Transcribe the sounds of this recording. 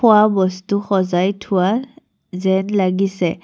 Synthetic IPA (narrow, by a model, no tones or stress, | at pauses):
ʊwabɔstuxɔzajtʰʊwa | zɛnlaɡisɛ